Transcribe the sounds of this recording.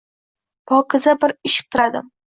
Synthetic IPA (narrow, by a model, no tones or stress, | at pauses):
pʰɒkʰɪzabɪɾɪʃɪ̥k̚t̪ʰɪɾad̪ɪ̰m